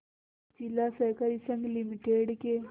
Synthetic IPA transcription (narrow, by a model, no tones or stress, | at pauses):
t͡ʃilasɐkɐɾisɐŋɡlimiʈeːɖke